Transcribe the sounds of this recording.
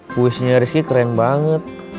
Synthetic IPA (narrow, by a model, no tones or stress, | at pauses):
puisɲaɾiskikɾɛnbaŋət̪̚